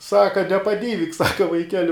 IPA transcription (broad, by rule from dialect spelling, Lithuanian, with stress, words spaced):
ˈsɑːkɐ nʲɛpɐˈdʲiːʋʲɪk ˈsɑːkɐ ʋɐɪˈkʲæːlʲɪ